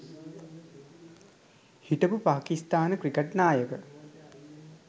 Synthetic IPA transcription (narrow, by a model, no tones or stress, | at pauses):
hiʈəpupaːkist̪aːnəkrikəʈnaːjəkə